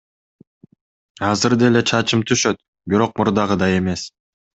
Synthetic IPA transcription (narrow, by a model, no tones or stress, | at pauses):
ɑzɯɾd̪ele̞t͡ʃʰɑt͡ʃɯmt̪ʰyʃø̞t̪̚ | biɾo̞q̚muɾd̪ɑʁɯd̪ɑe̞me̞s